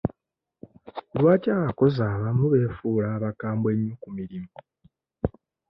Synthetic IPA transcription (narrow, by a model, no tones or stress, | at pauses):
lwaːcaːβako̞zaːβamuβe̞ːfuːlaːβakaːmbwe̞ɲːukumiɾimu